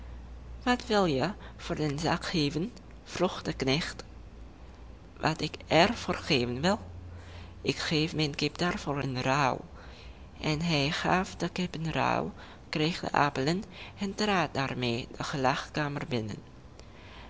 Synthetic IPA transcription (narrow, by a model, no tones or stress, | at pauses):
ʋɑtʋɪlˠjəv̥ʊːrdənza̰ːkχeːvən | v̥ruχdəknɛχt | ʋɑ̰tɪkɛrv̥oːrχeːvənʋɪlˠ | ʔɪkχeːfmɛjnkɪpd̥aːrvoːɹənraw | ʔɛnɦɛjχaːfdəkɪpənra̰w | krejχdə̰ʔa̰ːpələnɛntraːt̚daːrmeːdəχəlɑχkaːmərbɪnə̰n